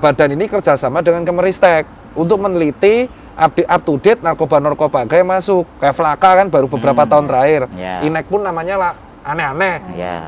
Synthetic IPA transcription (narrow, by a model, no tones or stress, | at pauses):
b̥ada̤ninikərd͡ʒa̤samadəŋankəməɾist̪ɛk̚ | unt̪ʊk̚mənlit̪i | ʔap̚d̥iʔap̚t̪udɪt̪̚narkobanɔrkopaɡajaŋmasʊkːajaʔflakakanbaɾubəbəɾapat̪aʊnt̪əɾaɪrʔinɛk̚pʊnːamaɲalah | anɛanɛj̰